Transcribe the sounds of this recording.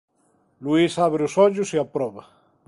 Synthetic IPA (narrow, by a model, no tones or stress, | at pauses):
luisaβɾeusɔʎusiapɾɔβɐ